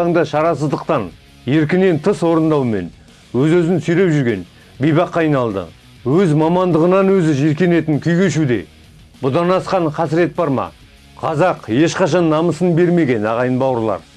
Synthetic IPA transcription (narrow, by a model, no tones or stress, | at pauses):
ŋd̪ɑʃɑɾɑsəzd̪əq̚t̪ɑn | je̞ɾk̬ʲɪne̞nt̪ʰəswo̞ɾənd̪ɑwme̞̰n | wɵzɵzɪnsʏjle̞pʒʏɾɡʲe̞n | bijbɑqːɑɑjnɑlˠd̪ə̰ | wɵzmɑmɑnd̪əʁənɑnwɵzɪʒeɾkʲe̞ne̞t̪ɪŋkʲʰʏjɡʲe̞ʃud̪e̞̰ | b̥ʊd̪ɑnɑsqɑɴqʰɑsɪɾe̞t̪̚bɑɾmɑ̰ | qʰɑzɑqje̞ʃqɑʃɑnːɑməsənbe̞ɾme̞ɡʲe̞nɑʁɑjənbɑwəɾlˠɑ̰ɾ